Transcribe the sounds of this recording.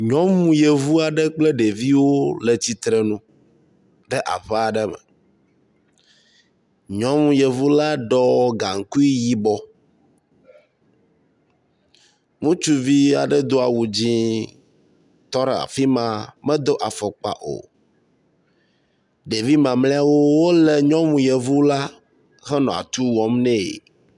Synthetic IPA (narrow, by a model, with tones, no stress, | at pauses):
ɲɔ̃˦mũ˨je˨vu˦a˨ɖɛ˦k͡plɛ˦ɖe˨vi˦wo˦lɛ˨t͡ɕi˦t̪ɾɛ˨nũ˦ | ɖɛ˦ʔa̰˨ɸɛ˦a˨ɖɛ˦mɛ̰˨ | ɲɔ̃˦mũ˨je˨vu˦la˦ɖɔ˦ɡa˨ŋ̩˨ku˦i˦ji˦bɔ˦ | ŋũ˦t͡ʃu˦vi˦a˨ɖɛ˦d̪o˦a˨wu˨d͡ʑĩ˦ | t̪ɔ˦ɾɛ˨a̰˨fi˦mã˨mɛ̃˦d̪o˦ʔa˨fɔ˨k͡pa̰˨ʔo̰˨ | ɖe˨vi˦mã˨mlɛ̃˦a˦wo˦wo˦lɛ˨ɲɔ̃˦mũ˨jɛ˨vu˦la˦ | ɣɛ˦nɔ̃˨a̰˨t̪u˦wɔ˦mnɛ̃˦˨ḛ˨